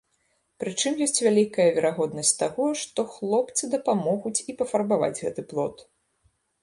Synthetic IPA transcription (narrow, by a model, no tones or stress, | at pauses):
pɾɨt͡ʂɨmjɔsʲt͡sʲvʲalʲikɐjɐvʲɛɾaɣɔd̪nɐsʲt͡sʲt̪aɣɔʂt̪ɔxlˠɔpt̪sɨd̪ɐpamɔɣut͡sʲipɐfarbava̰d͡zʲɣɛt̪ɨplˠɔt̪